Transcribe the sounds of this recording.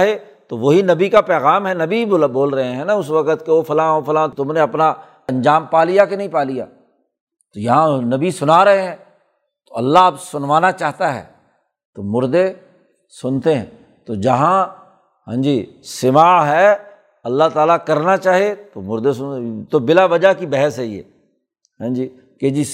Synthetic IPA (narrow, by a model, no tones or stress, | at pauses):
ɦe | t̪oʋoɦinɐbikapɛːɣaːmɦɛnɐbibboːlɾɐɦẽɦɛ̃naʊsʋɐkət̪keofɐlãːofɐlãːt̪ʊmneɐpna | ɐ̃nd͡ʒaːmpaːlijakenɐɦĩpaːlija̰ː | t̪ojɐɦãnɐbisʊnaːɾɐɦeɦɛ̃ː | t̪oɐlːabsʊnʋaːnat͡ʃaːɦt̪aɦɛ̰ː | t̪oːmʊɾd̪e | sʊnt̪eɦɛ̰̃ː | t̪oːd͡ʒɐɦã | ɦã̰ːd͡ʒiːsɪmaːɦɛː | ɐlːaːt̪aːlakɐɾnat͡ʃaːɦiet̪oːmʊɾd̪esʊnt̪oːbɪlaʋɐd͡ʒakibɛɦəsɦɛiḛː | ɦãːd͡ʒiː | ked͡ʒi